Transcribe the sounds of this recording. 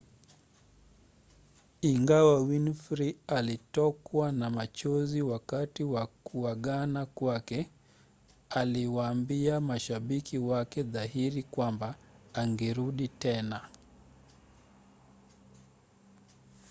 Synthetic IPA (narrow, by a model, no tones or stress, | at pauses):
iŋɡawawinfɾialitɔkwanamat͡ʃɔziwakatiwakuaɠanakwakɛ | aliwaːmbiamaʃaɓikiwakɛðaɦiɾikwambaːŋɡɛɾuɗitɛna